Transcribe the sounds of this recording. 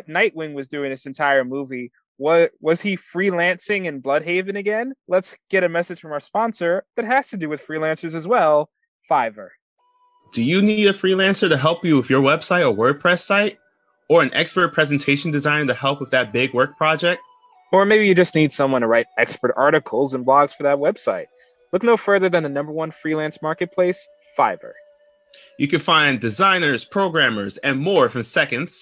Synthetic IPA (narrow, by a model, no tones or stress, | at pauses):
tⁿnaɪʔ̚wɪ̃ŋwʌzdʉɪ̃ŋɨsɨ̃n̩tʰaɪə˞muvi | wʌwʌz̥ifɹilæ̃nsɪ̃ŋɨ̃nblʌd̚ɦeɪvɨ̃nɨɡɛ̃nlətsɡ̥ɛɾɨmɛsɨd̥ʒ̥fɹʌ̃mə˞spɑ̃nsə˞ðɨt̚ɦɨz̥tɨdɨwɨð̥fɹilæ̃nsə˞zɨzwɛlˠ | faɪvə̰˞ | d̥ɨjɨniɾɨfɹilæ̃nsə˞ɾɨɦɛlˠpjɨwɪvjə˞wɛb̥saɪɾəwɜ˞d̚pʰɹ̥ɛsaɪɾ | ə˞ɨ̃nʔɛ̰kspə˞t̚pʰɹ̥ɛzɨn̩tʰeɪʃn̩dɨzãɪ̃nɾɨhɛlˠpʌvðɨt̚b̥ɪɡwɜ˞k̚pʰɹ̥ɑd͡ʒɛk̚t̚ | ə˞meɪbijɨd͡ʒʌstnid̥sʌ̃mwʌ̃ntʰəɹaɪɾɛkspə˞ɾɑɹɾɨkʰl̩ˠzə̃nblɔɡz̥fə˞ðɨt̚wɛb̥saɪt̚ | lʊk̚noʊfɜ˞ðə˞ðɨ̃nðɨnʌ̃mbə˞wʌ̃nfɹilæ̃nsmɑɹkɨt̚pʰl̥eɪs | faɪvə̰˞ | jɨkɨ̃nfãɪ̃ndɨzãɪ̃nə˞z̥pʰɹ̥oʊɡɹæ̃mə˞zɨ̃nmɔɹfə̃msɛkɨ̃ndz̥